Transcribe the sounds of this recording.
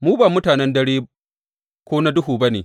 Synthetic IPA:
muː˦baː˨mʊ˦taː˨nɛ˦ndɐ˦ɽeː˦ | kʷoː˦na˦dʊ˦ɦuː˨ba˦neː˨

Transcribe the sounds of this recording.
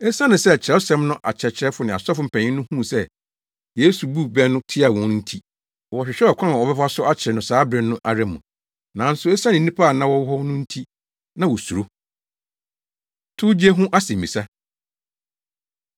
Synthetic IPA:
ɛ˦sã˦nɪ̃˨sɛ˦˨t͡ɕʰɾɛ˨˦sɛ̃˦mnʊ̃˦ʔa̰˨t͡ɕʰɛ˨t͡ɕʰɾɛ˦fʊ˨nɪ̃˨a̰˨sa˦fʊ˨m̩˨pʰɛ̃˨ɲɪ̃˦nʊ̃˦hũ˦˨sɛ˦ | jeː˦su˨bu˦bɛ˦nʊ̃˦tʰɪ˦a˨wɔ̃˨˦n̩˦tʰi˦ | ɔ˨wɔ˨ɕᶣɪ˨ɕᶣɛ˦ɔ˨kʷʰã˦n˨ɔ˨bɛ˦fa˦sʊ˦a˦t͡ɕʰɛ˨nʊ̃˨saː˨˦bɾɪ̃˨nʊ̃˦ʔa˨ɾɛ˦mʊ̰̃˨ | nã˨˦n̩˦sʊ˨˦ɛ˦sã˦nɪ̃˨˦nĩ˦pʰa˦a˨nã˦wɔ˦wɦɔ˦nʊ̃˦n̩˦tʰi˦ | nã˦wɔ˨su˨o˦ | tʰʊ˦d͡ʑi˦e˦ɦʊ̃˦ʔa˦sɪ̃˨m˨mĩ˨sa˦

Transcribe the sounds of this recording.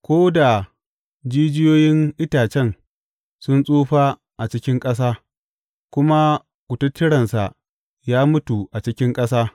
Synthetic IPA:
kʷoː˦da˨ | d͡ʒiː˦d͡ʒɪ˦joː˦jɪ˦nʔɪ˦taː˨t͡ʃɛ˦˨n | sʊ˦nsʼoː˦ɸaː˦ | ʔa˨t͡ʃɪ˦kʲɪ˦ŋkʼɐ˦s̬aː˦ | kʷʊ˦ma˦ | kʷʊ˨tʊ˦tʰːɪ˦ɽɐ˨nsa˨ʔ | jaː˦mʊ˦tu˨ʔa˨t͡ʃɪ˦kʲɪ˦ŋkʼɐ˦saː˦

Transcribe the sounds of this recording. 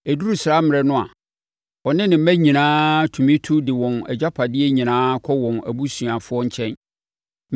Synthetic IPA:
ɛ˨du˦ɾu˦sɪ˨ɾa˦mɪ̃˨ɾɛ˨nʊ̃˦a̰˨ | ɔ˨nɪ̃˦nɪ̃˨m̩˦mæ̃˦ɲĩ˨nãː˦tʰu˨mĩ˦tʰu˦dɪ˨wɔ̃˨nɛ˨d͡ʑa˦pʰa˨dɪ˦ɛ˦ɲĩ˨nãː˦kʰɔ˦wɔ̃˨næ̰˨bu˦sũ˨a˨fʊ˦ɔ˦ɲ̩˦t͡ɕʰɛ̃˦n

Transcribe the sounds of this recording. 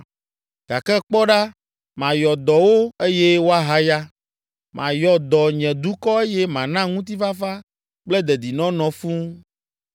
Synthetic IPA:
ɡ̥a˨kɛ˦k͡pɔ˦ɖa˦ | mã˨jɔ˨d̪ɔ˨wo˦e˦jɛ˦wo˦a˦ɦa˦ja˦ | mʔã̰˨jɔ˨d̪ɔ˨ɲɛ̃˨d̪u˦kɔ˦e˦jɛ˦mã˨nã˦ŋũ˦t̪̬i˦va˦fa˦ | k͡plɛ˦d̪ɛ˨d̪i˨nɔ̃˦nɔ̃˨fũ˦

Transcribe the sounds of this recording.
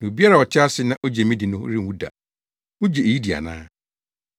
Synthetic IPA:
nã˨o˨bi˦a˦ɾa˨ɔ˨tʰɪ˦a˦sɪ˦nã˦ʔo˦d͡ʑe˨mĩ˦dɪ˨nʊ̰̃˦ɾɪ˦˨wu˦da̰˨ | ʊ˦d͡ʑe˨e˨ji˦di˨a̰˨nã̰ː˦

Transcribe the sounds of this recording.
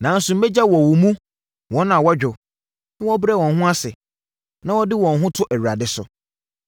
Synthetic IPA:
nã˨˦n̩˦sʊ̃˨m̩˦ɛ˦d͡ʑa˦wɔ˨wɔ˨mũ˦ | wɔ̃˨˦nã˨wɔ˦d͡ʑᶣʊ˨ | nɪ̃˦wɔ˦bɾɛ˦˨wɔ̃˨nɦʊ̃˦a˦sɪ˨ | nã˦wɔ˦dɪ˦wɔ̃˨n˨ɦʊ̃˦tʰʊ˦ʔæ˨ɥu˨ɾa˨dɪ˨sʊ˨

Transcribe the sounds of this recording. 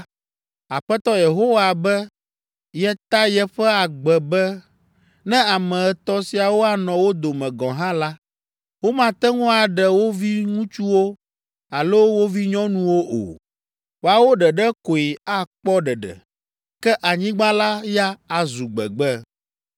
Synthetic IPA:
a̰˨ɸɛ˦t̪ɔ˦je˨ɦo˦wa˨bɛ˦ | jɛ˦t̪a˦jɛ˦ɸɛ˦a˨ɡ͡bɛ˨bɛ˦ | nɛ̃˦a˨mɛ̃˨ɛ˨t̪ɔ˦si˨a˨wo˦a˨nɔ̃˨wo˦d̪o˨mɛ̃˨ɡɔ̃˨ɦã˦la˦ | wo˦mã˨t̪ɛ˦ŋũ˦a˨ɖɛ˨wo˦vi˦ŋũ˦t͡ʃu˦wo˦ | a˨lo˦wo˦vi˦ɲɔ̃˦nũ˦wo˦ʔo̰˨ | wo˦a˨wo˦ɖɛ˨ɖɛ˦ko˨i˨a˦k͡pɔ˦ɖɛ˨ɖɛ̰˨ | kɛ˦ʔa˨ɲĩ˦ɡ͡bã˦la˦ja˦a˨zu˨ɡ͡bɛ̰˨ɡ͡bɛ˦

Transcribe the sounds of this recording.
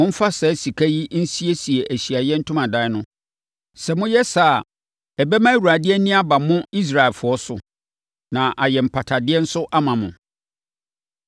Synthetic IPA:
ʊ̃˦fa˦sɛ˨˦si˨kʰæ˦ji˦n̩˦si˦e˦si˨e˨ʔæ˨ɕi˨a˨jɛ˦n̩˦tʰʊ̃˦mã˨da˦nʊ̃˦ | sɛ˨mʊ̃˦jɛ˦sa˦˨ | ɛ˨bɛ˦mã˦˨wu˨ɾa˨dɪ˦ɛ˦nĩ˦a˦ba˨mʊ̃˦i˦s̬ɾa˨lfʊ˨˦ɔ˦sʊ˨ | nã˨ʔa˨jɛ˨m̩˨pʰa˨tʰa˨dɪ˦ɛ˦n̩˦sʊ˦ʔa˦mã˨mʊ̰̃˨

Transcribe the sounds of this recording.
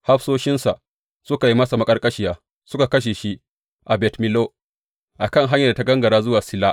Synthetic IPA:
ha˦ɸsoː˦ʃɪ˦nsa˨ʔ | sʊ˦ka˨ji˦mɐ˦sa˨mɐ˦kʼɐ˦rkʼɐ˦ʃɪ˦jaː˦ | sʊ˦ka˨kɐ˦ʃ̬e˨ʃi˦ʔ | ʔa˨bɛ˨tmɪ˨lo˦ | ʔa˨kɐ˦˨ŋɦa˦ɲjɐ˨da˨ta˦ɡɐ˦ŋɡɐ˨ɾaː˦zʊ˦waː˨sɪ˦laː˦

